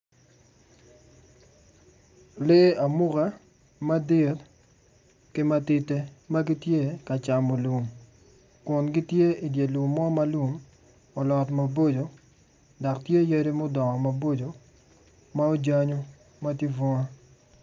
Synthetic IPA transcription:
le˦a˨mʊ˦ka˦ | ma˦de˦t | kɪ˦ma˦tɪ˦te˦ma˦ɡi˦tje˦ka˨t͡ʃa˨mo˨lu˨m | kʊ˨nɡi˦tje˦i˨dje˨lu˨mːɔ˦ma˦lwu˨m | ɔ˨lɔ˨tma˨bo˦d͡ʒo˨ | dɔ˨ktje˦je˦ɾe˦mo˦dɔ˨ŋɔ˨ma˨bo˦d͡ʒo˨ | ma˦o˦d͡ʒa˦ɲo˦ | ma˦ti˦vɔ˦ŋa˦

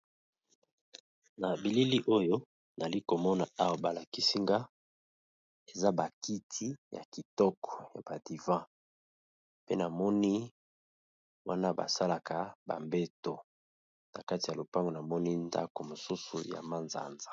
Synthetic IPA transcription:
na˨bi˨li˦li˦ʔo˦jo˦ | na˨li˦ko˨mɔ˦na˨a˦wa˨ba˨la˨ki˦si˦ŋɡa˦ | e˨za˦ba˨ki˦tʰi˦ja̰˨ki˨tɔ˦kɔ̥˨ja̰˨ba˨di˨vã˦ | pe˦na˨mɔ˦ni˦ | wa̰˦na˦ba̰˨sa˦la˨ka˨ba̰˨mbe˦to˨ | na˨ka˦ti˨ja˨lo˨pa˦ŋɡo˨na˨mɔ˦ni˦nda̰˦ko˨mo˨su˦sṵ˨ja̰˨ma˦nza̰˦nzḁ˨

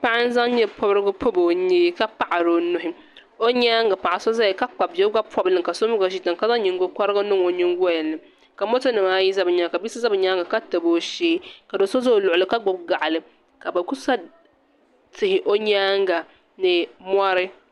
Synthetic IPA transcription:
pa˦a˦n̩˦za˦ŋ˦ɲɛ˦pʰo˦bɾɨ˦ɡʊ˦pʰʊ˦bo˨ɲiː˦ka˦pa˦ʔa˨ɾo˨nʊ˦ɦɪ˦ | o˦ɲaː˦ŋɡa˨pa˨ʔa˨so˦za˦ji˨ka˦k͡pa˨bɛ˦ɡa˦pʰɔ˦bɨ˨lɨ˨ŋka˨so˦mʊ˦ɡa˨ʃi˦ta˨ŋ˨ka˦za˦ɲi˨ŋ˦ɡo˦ka˦ɾɨ˦ɡa˦nɨ˦ŋo˨ɲi˦ŋɡa˦jɛ˨nɨ˨ | ka˨mo˦to˦nɨ˨maː˦ji˦za˦bɨ˨ɲa˦ŋ˨ka˨bi˦sɨ˦za˦bɨ˨ɲa˦ŋɡa˨ka˦tɨ˨bo˦ʃeː˦ka˨do˨so˦zo˦˨lʊ˨ʔʊ˨lɨ˦ka˦ɡ͡bʊ˨bɡa˨ʔa˨lɨ˨ | ka˨ba˨ku˦sa˦ | tɪ˨hɪ˨ʔo˦ɲaː˦ŋɡa˨ | nɨ˨mʷa˦ɾɨ˦

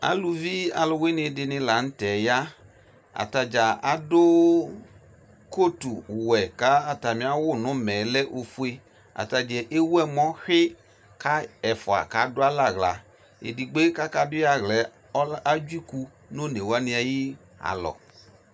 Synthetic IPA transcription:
a̰˦lu˧vi˦a˨lʊ˧we˦nɪ˧dɪ˧nɪ˧la˨n̩˦tɛ˨ja˦ | a̰˨ta˧d͡ʒa˨a˦dʊ˦ | ko˦tu˨wɛ˨ka˨˦a˨ta˨mi˨˦a˦wʊ˦˨nʊ˨˦mɛ˨˦lɛ˦ʔo˧fu˦e˧ | a̰˨ta˧d͡ʒɛ˨ʔe˦wɛ˦mɔ˦xɪ˦ | ka˦ɛ˨fʊ˨a̰˨ka˨˦dʊ˦a˦la˦˨ɣla˨ | ḛ˨di˨ɡ͡be˦ka˦ka˦dʊ˦ja˧ɣlɛ˨˦ | a˦d͡ʒi˦ku˧ | no˦ne˨wa˦nɪ˧a˧ji˦ | a̰˨lɔ̰˨

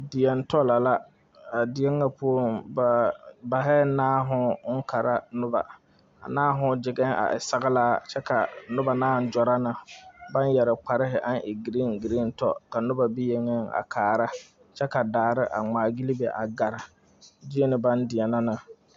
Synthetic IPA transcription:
dɪ˨jɛ˨n˦tɔ˦la˨la˦ | a˨dɪ˨˦ɛ˦ŋːa˦pu˦o˦ba˨ba˨ɦɛ˦naː˦ɦʊ˦ka˨ɾa˦nʊ˦ba̰˨ | a̰˨naː˦ɦʊ˦d͡ʒɪ˨ɡɛ˦ŋʔa̰˨ʔɪ̰˨sa˨ɣɪ˦laː˦t͡ʃɛ˦ka˨nʊ˦ba˨naː˦˨n˦d͡ʒɔ˨ɾa˦nɪ˨ba˦n˦jɛ˨ɾɪ˨k͡pa˨ɾɪ˦ɦɪ˨ʔa˦nʔɪ˨ɡi˨ɾi˦ŋɡi˨ɾi˦n˦tɔ̰˦ka˨nʊ˦ba˨bi˦je˨ŋɛ˦ŋa̰˨kʰaː˨ɾa˦ | t͡ʃɛ˦ka˨daː˨ɾɪ˦ʔa̰˨ŋ͡maː˨ɡi˦li˦be˨ʔa˨ɡa˨ɾɪ˨ | di˦e˦nɪ˨ba˦ndɪ˨ɛ˨na˦nɪ˨

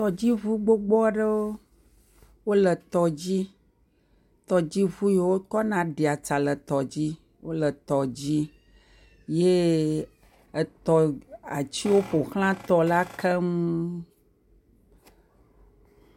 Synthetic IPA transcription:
t̪ɔ˨d͡ʑi˦vu˦ɡ͡bo˦ɡ͡bɔ˦ɖə˦wo˦ | wo˦lə˨t̪ɔ˨d͡ʑi˦ | t̪ɔ˨d͡ʑi˦vu˦je˦˨˦wo˦kɔ˦nã˨ɖe˨a˨t͡ʃa˨lə˨t̪ɔ˨d͡ʑi˦ | wʔo˦lə˨t̪ɔ˨d͡ʑi˦ | je˦ | ə˨t̪ɔ˨a̰˨t͡ɕi˦wo˦ɸo˨xl̃ã˦t̪ɔ˨la˦kʰɛ˦ŋũ˦

